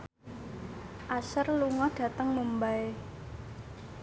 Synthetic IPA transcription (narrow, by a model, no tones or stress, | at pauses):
ʔasərluŋɔɖ̥a̤t̪əŋməmbae